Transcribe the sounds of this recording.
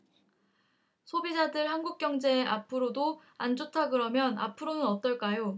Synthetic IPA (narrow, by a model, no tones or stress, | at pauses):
sʰobid͡ʑadɯɭɦanɡuk̚k͈jʌŋd͡ʑe̞ːʔapʰɯɾodo | and͡ʑotʰaɡɯɾʌmjʌna̰pʰɯɾonɯnʌt͈ʌɭk͈ajo